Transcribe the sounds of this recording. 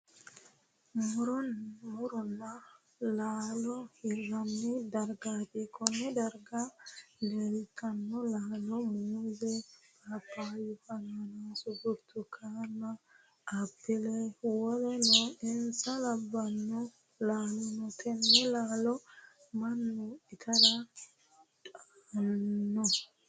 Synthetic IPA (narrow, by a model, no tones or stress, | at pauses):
mɾmuɾɔnːa | lalohiranːidaɾɡaɗikonɛdaɾɡalelikanːɔlalomuzepapajufananasuɡuɾtukʰanaː | pːɪlɛwɔlɛnɔɪnsɐlɐbːɐnːɔ | laːlɔnɔt̪ʰɛnːɛlaːlɔ | mɐnːʊɪt̪ʰɐda | tʼanːɔ